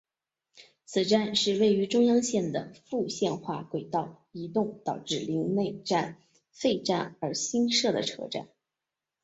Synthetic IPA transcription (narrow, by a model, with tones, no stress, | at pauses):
t͡sʰɹ̩˨˩ʈ͡ʂa˥˧nʂɻ̩˥˧we˥˩ɪy˧˥ʈ͡ʂʊ˥ŋjɑ˥ŋɕjɛ˥˩nd̪ə̰˩fu˥˧ɕjɛ˥˧nxwa̰˥˩kwe˨˩ɪt̪ɑ˥˩ʊ | i˧˥t̪ʊ˥˩ŋt̪ɑ˨˩ʊʈ͡ʂɻ̩˥˩li˧˥ŋne˥˧ɪʈ͡ʂa˥˩n | fe˥˧ɪʈ͡ʂa˥˩nə˞˧˥ɕi˥nʂɤ˥˩d̪ə̰˩ʈ͡ʂʰɤ̰˥ʈ͡ʂa̰˥˩n